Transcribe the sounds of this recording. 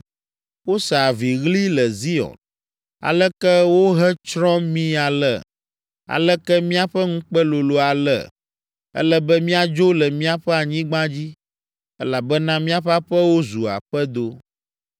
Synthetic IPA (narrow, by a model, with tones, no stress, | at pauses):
wo˦sa˨vi˨ɣli˦lɛ˨zi˦ɔ̰˨n | a̰˨lɛ˦kɛ˦wo˦ɦɛ˦t͡ʃɾɔ̃˦mĩ˦a˨lɛ̰˦˨ | a̰˨lɛ˦kɛ˦mĩ˦a˨ɸɛ˦ŋũ˦k͡pɛ˦lo˨lo˦a˨lɛ̰˦˨ | ɛ̰˦lɛ˦bɛ˦mĩ˦a˨d͡ʒo˦lɛ˨mĩ˦a˨ɸɛ˦a˨ɲĩ˦ɡ͡bã˦d͡ʑi˦ | ɛ˦la˨bɛ˦nã˦mĩ˦a˦ɸa˦ɸɛ˦wo˦zu˨a̰˨ɸɛ˦d̪o˦